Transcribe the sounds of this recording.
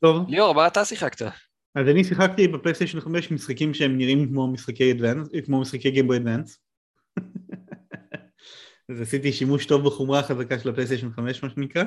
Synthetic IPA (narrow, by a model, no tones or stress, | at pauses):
t̪ovlioʁmaːt̪asiχakt̪a | azanisiχakt̪ibeplejstejʃonχame̞ʃmisχakimʃeemniʁimkmomisχakejadvankmo̞misχakejɡembojad̪vans | azasit̪̬iʃimuʃt̪o̞vbeχomʁaχazakaʃelaplejs̬teʃonχameʃmaʃenikʁa